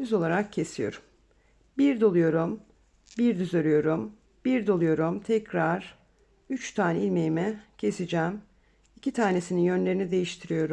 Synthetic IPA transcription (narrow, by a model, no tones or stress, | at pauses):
yzo̞lˠaɾakcʰe̞sijo̞̰ɾum | biɾd̪o̞lˠujo̞ɾum | biɾd̪yzøɾyjo̞ɾum | b̥iɾd̪o̞lˠujo̞ɾumt̪ʰɛcɾaɾ̥ | yt͡ʃt̪ʰaːnɛilʲmejimɛcʰe̞sid͡ʒæm | icʰit̪ʰaːne̞sininjø̞nlʲe̞ɾinid̪e̞jiʃt̪ʰiɾijo̞ɾum